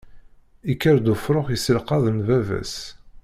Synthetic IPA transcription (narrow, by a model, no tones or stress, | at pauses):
ikːəɾd̪ufɾˤʊχjisəlqɑðˤənvævæ̰s